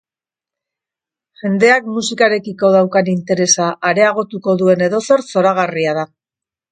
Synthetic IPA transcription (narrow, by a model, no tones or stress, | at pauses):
ʝe̞nd̪e̞akmusikaɾe̞kiko̞ð̞awkanint̪e̞ɾe̞saʔːɾe̞aɣ̞o̞t̪uko̞ðue̞ne̞ðo̞so̞ɾso̞ɾaɣ̞ariað̞a